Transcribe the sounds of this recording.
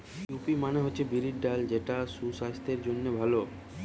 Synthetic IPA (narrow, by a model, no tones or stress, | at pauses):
jupimaneɦotːɕʰebiɾiɖɖald͡ʑeʈasuʃast̪ʰeɾd͡ʑonːebʱalo